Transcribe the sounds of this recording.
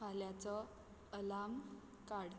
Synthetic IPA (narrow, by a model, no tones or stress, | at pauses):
aljat͡sɔ | əlam | kaɽ